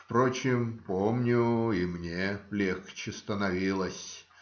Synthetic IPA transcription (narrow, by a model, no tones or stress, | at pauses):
fpɾot͡ɕɪmpomnʲʊimnʲelʲexkt͡ɕɪst̪ənɐvʲilˠəsʲ